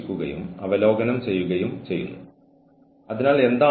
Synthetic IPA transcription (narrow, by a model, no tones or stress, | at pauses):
kʲːuɣɐ̰jṵmɐ̰ʋɐlo̞ːɡɐnɐmt͡ɕe̞jːuɣɐjumt͡ɕe̞jːṵnːu | ɐðinaːle̞nd̪aː